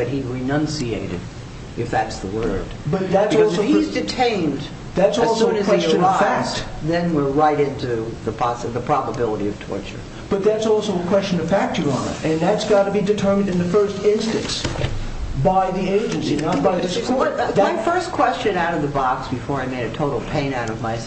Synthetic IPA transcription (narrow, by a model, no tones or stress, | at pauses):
ɨt̚hiɹɨnʌ̃nsiḛɪɾɨ̰ɾ | ɨfðæɾsðəwɜ˞d̥bʌt̪̚ðætsɔlˠoʊizdɨtʰẽɪ̃nd | ðætsɔlˠsʊ̃nɨkʰwɛst͡ʃɨnʌvfæk̚t | ðɨ̃nwɪɹɹaɪɾɪ̃ntʉðəpʰɑsðəpʰɹ̥ɑbəbɪlˠəɾiʌv̥tʰɔ̰ɹt͡ʃə̰˞ | b̥ʌt̪̚ðætsɔlˠsoʊəkʰw̥ɛst͡ʃɨ̃nʌv̥fæk̚t͡ʃə˞ɑnə̰ɨ̃nðætsɡ̥ɑɾɨbidɨtʰɜ˞mɨ̃ndɨ̃nðɨfɜ˞stɪ̃nstɨ̃ns | baɪðieɪd͡ʒɨ̃nsinaʊ̃baɪðɪskʰɔɹðaɪfɜ˞skʰw̥ɛst͡ʃɨ̃naʊɾʌvðəbɑksb̥ɨfɔɹaɪmeɪɾɨtʰoʊɾl̩ˠpʰẽɪ̃naʊɾʌvmaɪ